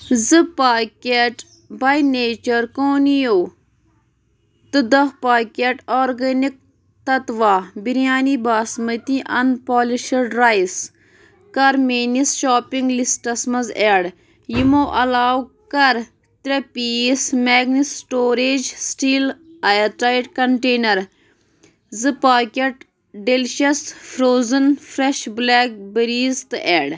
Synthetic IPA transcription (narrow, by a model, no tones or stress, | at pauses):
zɨpaːkeʈ | bajneːt͡ʃɐɾkoːnijoː | t̪ɨd̪ɐhpaːkʲeʈoːɾɡɐnik̚ | t̪ɐt̪ʋaːbiɾijaːnibaːsmɐt̪iʔɐnpoːliʃɐɖɾajs | kɐɾmeːnisʃoːpiŋɡlisʈɐsmɐzeɽ | jimoʔɐlaːwkɐɾ | t̪ɾepismeːɡnisʈoːɾeːd͡ʒsʈiːlajɐt̪ɾaːjʈkɐɳʈeːnɐɾ | zɨpaːkeʈ | ɖelʃɐsfɾoːzɐnfɾeʃbleːk̚bɐɾiːzt̪ɨʔeːɽ